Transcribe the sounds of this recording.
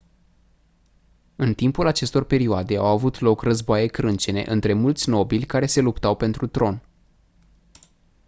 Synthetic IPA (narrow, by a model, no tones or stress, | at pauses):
ɨnt̪impulat͡ʃe̞st̪o̞rpe̞ɾioad̪e̞a̰wavut̪lo̞krəzboaje̞kɾɨnt͡ʃe̞ne̞̰ʔɨnt̪ɾe̞mult̪sʲno̞bilʲkaɾe̞se̞lupt̪awpe̞nt̪ɾut̪ɾo̞n